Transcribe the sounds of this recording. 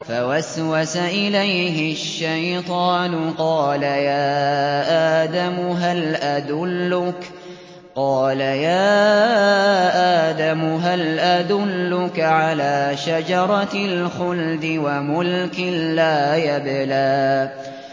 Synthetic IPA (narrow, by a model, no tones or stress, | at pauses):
fawaswasaʔɪlajɦɪʃːajt̪ˤɑːnʊqɑːlajaːʔaːd̪amʊɦalʔad̪ʊlːʊk | qɑːlajaː | ʔaːd̪amʊɦalʔad̪ʊlːʊkaʕalaːʃad͡ʒɑɾˤɑlxʊld̪ɪwamʊlkɪːaːjablaː